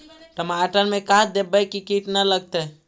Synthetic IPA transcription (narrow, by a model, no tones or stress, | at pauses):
ʈəmaʈəɾmekad̪ebəkikiʈnələɡ̚t̪ɛ